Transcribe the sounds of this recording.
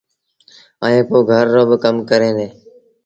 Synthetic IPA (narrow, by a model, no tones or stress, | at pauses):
aːẽːpoːɡʱəɾːõːbəkəmkəɾẽːneː